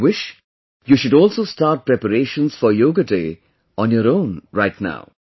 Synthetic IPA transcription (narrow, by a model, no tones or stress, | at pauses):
wɪʃ | juːʃʊɖɔːlˠsoːstaːʈ̚pɾɛpəɾeːʃə̃nsfɔɾjoːɡədeː | ɔ̃njɔɾõʊ̃nɹaɪtna̰ʊ